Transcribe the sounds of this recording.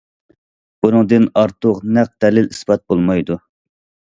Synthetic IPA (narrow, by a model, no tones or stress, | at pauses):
b̥unɨŋd̪ɨnɑɾt̪ʰʊqnæq̚d̪ɛlɪlisbɑt̪̚bolˠmɑjd̪u